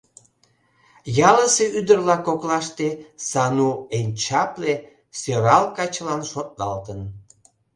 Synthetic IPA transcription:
jɑləseyd̪ərlɑkoklɑʃt̪esɑnuenʲt͡ɕɑple | søɾɑlkɑt͡ɕəlɑnʃot̪̚lɑlt̪ən

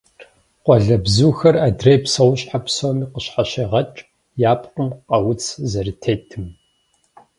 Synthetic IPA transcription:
qʷɔɮɐbzuːxɐraːdrejpsɐwɕʼħapsomiːqəɕħaɕeːʁɐt͡ʃʼ | jaːpʼqʼʊmqʼɐwʊt͡sʰzɐɾɨtʰeːjtʰɨm

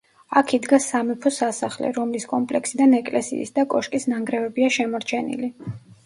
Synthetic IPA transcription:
akʰid̪ɡasamɛpʰɔsasaχlɛ̰ɾɔmliskʼɔmpʼlɛksid̪anɛkʼlɛsḭːsd̪akʼɔʃkʼisnaŋɡɾɛvɛbiaʃɛmɔɾt͡ʃʰɛnḭli

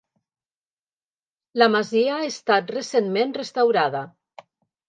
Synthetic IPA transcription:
lamaziaːest̪at̪resenmenrest̪awɾaða

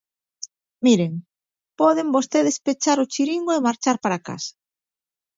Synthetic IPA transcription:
miɾeŋ | pɔðembost̪eðespet͡ʃaɾʊt͡ʃiɾiŋɡoemaɾt͡ʃaɾpaɾaka̰sḁ

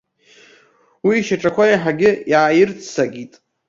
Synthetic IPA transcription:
wiːʃaʈ͡ʂʼakʷʰajaħaɡʲɪjaːjɪrt͡sʰsaɡʲitʼ

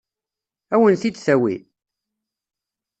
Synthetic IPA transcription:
æwənθid̪θæwḭ

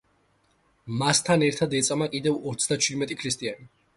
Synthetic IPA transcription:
mast̪ʰanɛɾt̪ʰad̪ɛt̪sʼamakʼid̪ɛvɔt̪sʰd̪at͡ʃʰwid̪mɛt̪ʼikʰɾist̪ʼiani

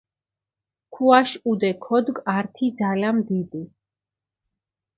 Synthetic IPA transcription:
kʰuaʃud̪ɛkʰɔd̪ɡaɾt̪ʰid̪zalamd̪id̪i

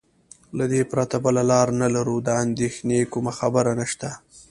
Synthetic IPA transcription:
lad̪epɾat̪abəlalɑɾnalaɾud̪əand̪exnekʊmaxabəɾanaʃt̪a

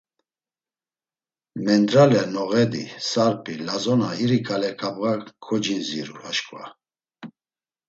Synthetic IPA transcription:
mɛnd̪ɾalɛnɔɣɛd̪ḭsaɾpʰʼilazɔnaiɾikʰalɛkʰabɣakʰɔd͡ʒinziɾṵaʃkʼva̰

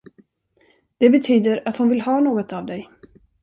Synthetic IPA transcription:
d̪̥ɛbɛt̪ʰyːd̪əɾat̪hʊnvɪlhɑːnoːɡɔt̪avd̪ɛj

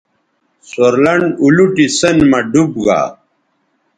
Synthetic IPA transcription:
soɾlɐɳɖuluʈisɐnmɐɖubɡa̰ː

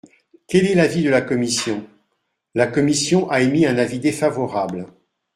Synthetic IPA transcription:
kʲɛlɛlavid̪əlakɔmisjɔ̃ | lakɔmisjɔ̃ʔaemiɛ̃navid̪efavɔʁabl

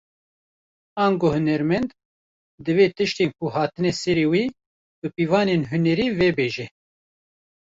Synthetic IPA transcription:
ɑːŋɡoːhɨnɛɾmɛnd̪ | d̪ɨveːt̪ɨʃt̪eːnkuɦaːt̪ɨnɛsɛɾeːwiː | bɨpiːvɑːnenɦunɛɾiːvɛbeːʒɛ

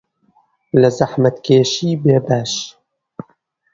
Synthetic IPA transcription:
ləzaħmɐt̪keːʃiːbeːbaːʃ

